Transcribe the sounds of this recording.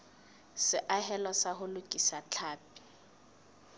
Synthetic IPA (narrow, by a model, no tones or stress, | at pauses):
sɪʔaɦɛlɔsaɦʊlʊkʼisat͡ɬʰaːp̚i̥